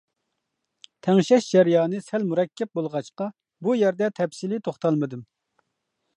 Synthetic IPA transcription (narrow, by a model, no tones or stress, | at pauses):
t̪ʰɛŋʃɛʃd͡ʒɛɾjɑːnɨsælmuɾɛkʲʰːɛp̚bolˠʁɑʃqɑ | bujɛɾd̪ɛt̪ʰɛpsilɨt̪ʰoχt̪ɑlˠmɨd̪ɨm